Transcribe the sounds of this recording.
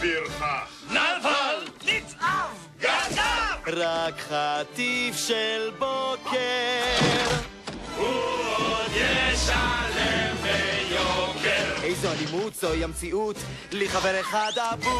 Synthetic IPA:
biɾa | navalnit͡sav | ɡaaʁakχat̪ifʃelboke | ʁ | hu | jeʃalevejokeʁʔejzoalimut̪z̥ojamt͡siʔut | leχaveʁeχad̪avu

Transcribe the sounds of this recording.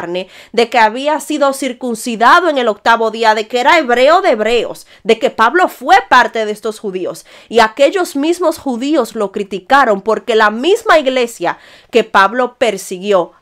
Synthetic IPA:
ɾne̞ðe̞keaβiasiðo̞siɾkunsiðaðoeŋe̞lo̞k̚t̪aβo̞ðiaðe̞keeɾae̞βɾe̞o̞ðeːβɾe̞o̰s | d̪e̞ke̞paβlo̞fwe̞paɾt̪e̞ðe̞st̪o̞shuðio̞s | iake̞ʝozmismo̞shuðio̞slo̞kɾit̪ikaɾo̞mpo̞ɾke̞lamismaiɣle̞sja | ke̞paβlo̞pe̞ɾsiɣjo̞

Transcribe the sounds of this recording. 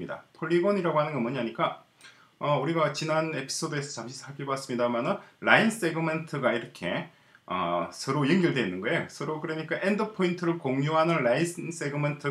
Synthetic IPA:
ida̰pʰoɭːiɡʌniɾaɡohanɯnɡʌmʌɲiɦaɲik͈a | ʌuɾiɡat͡ɕinane̞pʰi̥s͈ʰodoe̞sʰʌt͡ɕamɕʰisʰaɭpʰiɭbas͈ɯmɲidamanɯnɭains͈e̞ɡɯme̞ntʰɯɡaiɾʌkʰe̞ | ʌ̰sʰɯɾojɯŋɡɯɭdeinːɯnɡʌejosʰɯɾokɯɾʌɲik͈aʔendɯpʰointʰɯɾɯɭkoŋɲoɦanɯnɭains͈e̞ɡɯmentʰɯ

